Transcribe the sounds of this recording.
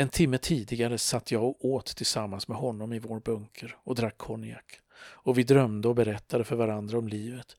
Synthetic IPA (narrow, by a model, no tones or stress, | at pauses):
ɛnt̪ʰɪmːət̪ʰiːd̪ɪɡaɾəsat̪ʰːjɑːɡoːt̪ʰːɪlsamːansmɛɦɔnːɔmɪvoːɾbɵŋkʰəɾɔd̪ɾakʰːɔnɪa̰k | ɔvɪd̪ɾœmd̪əɔbɛɾɛt̪ʰːad̪əfœɾvaɾand̪ɾaɔmliːvət̪